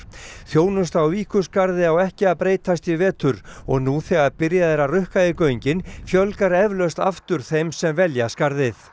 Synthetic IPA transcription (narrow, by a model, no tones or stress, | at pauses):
θjoːwnʏst̪awviːkʏskaɾðɪawɛhcɪaðpɾeːjt̪ast̪ivɛːt̪ʏɾɔɣnuθɛɣaɾpɪɾjaðɛɾarʏhkaɪkœɥɲcɪnfjœlkaɾɛvlœst̪aft̪ʏɾ̥θejmsɛmvɛljaskaɾðɪθ